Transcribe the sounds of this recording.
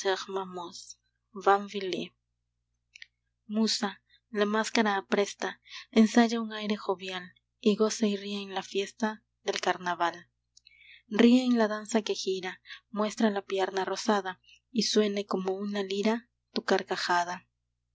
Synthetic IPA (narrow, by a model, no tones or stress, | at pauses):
eʁmamos | βaɱvile | musa | lamaskaɾaːpɾe̞st̪aensaʝauŋajɾe̞xo̞βjal | iɣo̞sairieːnlafje̞st̪a | ðe̞lkaɾnaβal | rieːnlaðansake̞xiɾamwe̞st̪ɾalapje̞ɾnaro̞saða | iswe̞ne̞ko̞mo̞unaliɾa | t̪ukaɾkaxaða